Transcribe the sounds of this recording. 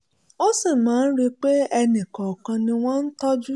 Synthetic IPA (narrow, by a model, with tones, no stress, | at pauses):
o˦si˦˨mãː˨˦n̩˦ɾi˧k͡pe˦ɛ˧nĩ˨kɔ˨kã˧nĩ˧w̃ɔ̃˦n̩˦tɔ˦d͡ʒu˦